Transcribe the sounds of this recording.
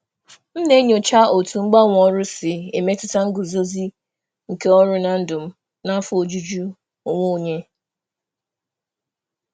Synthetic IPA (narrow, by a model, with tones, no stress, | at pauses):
m̩˦ne˦ɲo˨t͡ʃa˦ʔo˨tu˨ŋ͡m̩˦ɡ͡ba˦ŋʷ˨ɔ˦ɾʊ˦sɪ˨e˨me˦tʊ˦ta˦ŋ̩˦ɡʊ˨zo˦zi˦ | ŋ̩˨ke˦ɔ˦ɾʊ˦na˨n̩˦dʊ˨m̩˦ | na˦fʊ˦o˨d͡ʒu˦d͡ʒu˦˨ | ŋʷo˦˨ɲe˦